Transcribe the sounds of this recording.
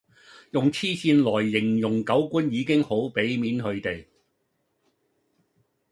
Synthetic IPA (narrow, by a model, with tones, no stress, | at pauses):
jʊ˨ŋt͡sʰiː˥siː˧nlɔː˨˩jːɪ˨˩ŋjʊ˨˩ŋkɐ˨˥wkʷu˥njiː˨˧kɪ˥ŋho˨˥wpe˨˥jmiː˨˥nɦɵ˨˧ɥt̪e˨j